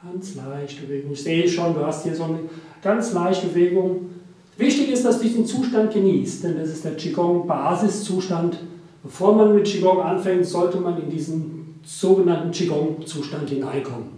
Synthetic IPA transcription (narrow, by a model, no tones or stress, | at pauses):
ɡ̥ant͡slaɪçtəb̥əveːɡʊŋɪçz̥eːəʃoːnduːhasthiːɐzoːnə | ɡ̥ant͡slaɪçtəb̥əveːɡʊŋ | vɪçtɪçɪstd̥asd̥udiːznt͡suːʃtant̚ɡ̥əniːst̚d̥ɛndas̬ɪstd̥eːɐt͡ʃiɡɔŋbaːzɪst͡suːʃtant | b̥əfoːɐmanmɪtt͡ʃiɡɔŋʔanfɛŋtz̥ɔltəmanɪndiːzən̩ | z̥oːɡənantn̩t͡ʃiɡɔŋt͡suːʃtanthɪna̰ɪnkʰɔmən